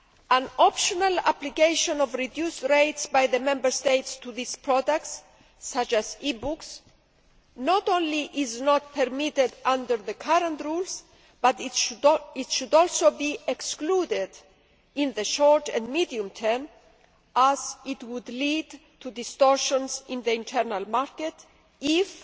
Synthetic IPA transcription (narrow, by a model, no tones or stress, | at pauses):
ãnɔpʃɔnala̰plikejʃɔ̃nɔvɹid̪justɹejtsbajðəmɛ̃mbə˞st̪ejtst̪uðispʰɹɔdək̚ts | sːat͡ʃazibuks | nɔtõnliʔɪznɔt̪̚pʰɛɾmit̪ɪd̪ãndəɹðəkʰaɾãntɹulz | b̥at̪ | ɪtʃudɔlˠsobiɛkskludɪd | ɪ̃nðəʃɔɹt̪ɛ̃nmidiũmt̪ʰɛɹm | ʔazɪt̪wud̪lid̪tʰud̪ist̪ɔɹʃɔ̃nsɪ̃nðəĩnt̪ʰɛɾnalˠmaɹkɛt | ɪf